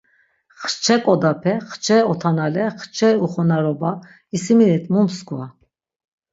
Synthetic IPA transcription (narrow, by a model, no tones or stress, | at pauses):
χɾt͡ʃʰɛkʼɔd̪apʰɛχt͡ʃʰɛɔt̪ʰanalɛχt͡ʃʰɛuχɔnaɾɔba | isiminɛt̪ʰmumskʰua